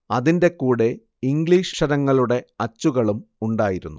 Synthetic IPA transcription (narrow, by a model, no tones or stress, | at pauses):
ɐðinde̞kuːɽe | iŋɡɭiːʂʂɐɾɐŋːɐɭuɽe̞ɐt͡ɕːuɣɐɭumuɳɖaːjiɾunːu